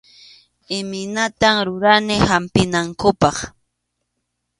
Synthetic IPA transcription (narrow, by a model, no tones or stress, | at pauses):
ɪmɪnat̪amɾʊɾanɪhampɪnaŋkʊpɑχ